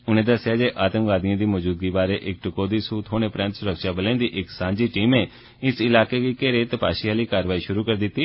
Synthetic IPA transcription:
ʊnẽːd̪əsːɪjaːd͡ʒeːʔaːt̪ə̃ŋkʋaːd̪ɪjãːd̪iːmod͡ʒuːd̪̚ɡiːbaːɾeːʔɪk̚ʈʊkoːd̪iːsuːt̪ɦoːnẽːpɾɛ̃nt̪sʊɾəkʃaːbəlẽːnd̪iːʔɪksãːɲd͡ʒiːʈiːmeː | ɪsɪlaːkeːkiːkeɾeːt̪əpa̰ːʃiːaːliːkaːɾəʋaːiːʃʊɾuːkəɾd̪ɪt̪ːiː

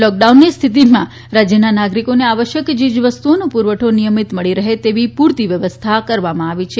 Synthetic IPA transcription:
lɔk̚ɖaunːist̪ʰit̪imã | ɾad͡ʒjənanaɡɾikoneaʋəʃjəkd͡ʒid͡ʒʋəst̪uonopuɾʋəʈʰonijəmit̪məɭiɾəɦet̪eʋipuɾt̪iʋjəʋəst̪ʰakəɾʋamãaʋit͡ʃʰe

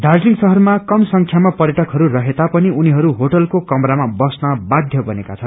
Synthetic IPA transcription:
dʱarzliŋsʌɦʌrmakʌmsʌŋkʰjamapʌrjʌʈʌkɦʌɾurʌɦet̪apʌniuniɦʌɾuɦoʈʌlkokʌmɾamabʌsnʌbad̪ʱjʌbʌnekat͡sʰʌn

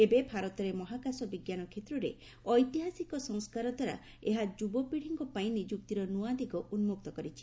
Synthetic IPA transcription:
ebebʱaɾɔt̪ɔɾemɔɦakasɔbiɡjanɔkʰet̪ɾuɾe | ɔjt̪iɦasikɔsɔ̃ŋskaɾɔd̪ʱwaɾa̰ | eɦad͡ʒubɔpiɽ̤iŋkɔpaĩnid͡ʒukt̪iɾɔnuad̪iɡɔʔunmuk̚t̪ɔkɔɾit͡ʃʰi̥

